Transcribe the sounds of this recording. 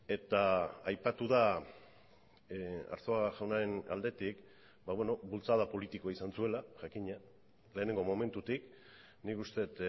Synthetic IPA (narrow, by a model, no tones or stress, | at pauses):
e̞t̪aajpat̪uða | a̰ɾso̞aʝawnaɾe̞na̰ld̪e̞t̪ik | baβwe̞no̞bult͡saðapo̞lit̪iko̞aisansue̞laʝakiɲa | le̞ːneŋɡo̞mo̞me̞nt̪ut̪ik | nikust̪e̞t̪